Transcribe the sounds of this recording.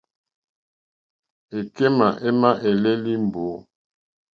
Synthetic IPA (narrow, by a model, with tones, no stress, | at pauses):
e˨ke˦ma˨ʔe˦ma˦ʔe˨lɛ˦li˦m˨bo˨˦